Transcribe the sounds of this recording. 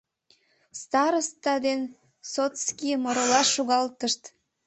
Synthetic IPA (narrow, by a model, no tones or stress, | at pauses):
st̪ɑɾost̪ɑd̪en | sot̪skimoɾolɑuɣɑlt̪əʃt̪